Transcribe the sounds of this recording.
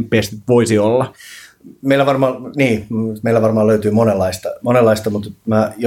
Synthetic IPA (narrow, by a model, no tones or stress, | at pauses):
pːˑest̪it̪ʋoisiolːɑ | meilæʋɑrmɑːniːmeilæʋɑrmɑːløyt̪yːmonelːɑist̪ɑmonelːɑist̪ɑmut̪mæjo